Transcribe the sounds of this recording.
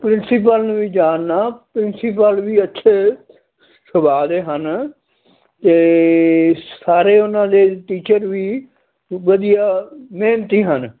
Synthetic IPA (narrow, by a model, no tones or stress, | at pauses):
pɾɪnsiːpəlnũːʋiːd͡ʒaːnːaːpɾɪnsiːpəlʋiːətːʃʰeː | səbaːd̪eːɦən | t̪eː | saːɾeːʊnãːd̪eːʈiːt͡ʃəɾʋiː | ʋəd̪ijaːmeːnt̪iːɦən